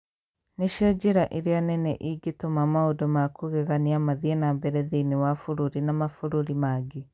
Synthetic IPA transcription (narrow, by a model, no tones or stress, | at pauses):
neʃɔd͡ʒeɾaʔiɾianɛnɛʔiɡetomamaodɔmakuɣeɣaniamaðiɛnambɛɾɛðiniwafuɾuɾinamafuɾuɾimaɡe